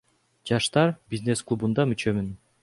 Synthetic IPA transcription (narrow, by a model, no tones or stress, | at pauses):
d͡ʒɑʃt̪ɑɾbʲizne̞sklˠubund̪ɑmyt͡ʃø̞myn